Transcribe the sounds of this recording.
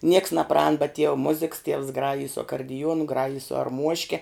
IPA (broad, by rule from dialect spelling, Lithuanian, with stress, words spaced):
nʲiɛks nɐˈprɐɑːn bʲɛt tʲiɛw ˈmʊzʲɪks tʲiɛws ˈɡrɑːjɪj sʊ ɐkɐrʲdʲɪˈjuɔnʊ ˈɡrɑːjɪj sʊ ɐrˈmuɔʃʲkʲɛ